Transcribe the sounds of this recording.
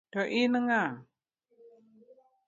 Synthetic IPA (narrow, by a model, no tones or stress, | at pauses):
d̥oʔinəŋa